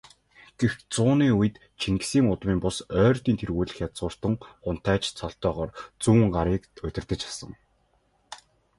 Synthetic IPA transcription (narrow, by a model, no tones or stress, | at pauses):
ɡ̥ext͡sʊːniːujɘ̆t̪ | t͡ɕʰiŋɡsiːŋʊt̪miːmpʊsœːrt̪iːnt̪ʰerɣuːɮɘ̆xjat͡sɢʊːr̥t̪ə̆ŋχʊn̥t̪æːt͡ɕt͡sʰɔɬt̪œːʁɔːrt͡suːɴɢaɾiːkʊ̟t̪ʲɪ̆rt̪ɘ̆t͡ɕḁsə̆ŋ